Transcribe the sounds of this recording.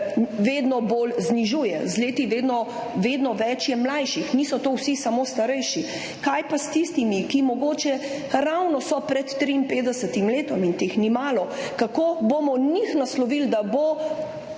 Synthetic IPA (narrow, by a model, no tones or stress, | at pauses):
ʋeːd̪nɔboːlzniʒuːjɛ̰zleːt̪iʋeːd̪nɔ | ʋeːd̪nɔʋɛt͡ʃjɛmlajʃixnisɔt̪oːwsisamoːst̪aɾɛjʃi | kajpast̪ist̪imikimɔɡoːt͡ʃɛ | ɾawnɔsɔpɾɛt̪ːɾiːnpeːd̪ɛsət̪imleːt̪ɔmint̪exnimaːlɔkakoːboːmɔnixnaslɔʋild̪abo